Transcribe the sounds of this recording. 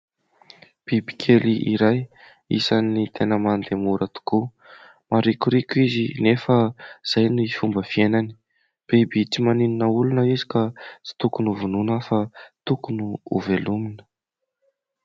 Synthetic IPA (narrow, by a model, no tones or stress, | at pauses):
b̥ibi̥kʰeliʔiɾaj | ḭsanːit̪ʰenəmand̪emuɾat̪u̥ku | maɾikuɾikizinefəz̥ajnuifumbəfienani̥ | b̥ebiʈ͡ʂimanininəulunəizi̥kasi̥t̪ukunuvununəfat̪ukunuuveluminə̥